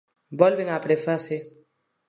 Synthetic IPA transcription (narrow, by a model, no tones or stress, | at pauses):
bɔlbeŋapɾefase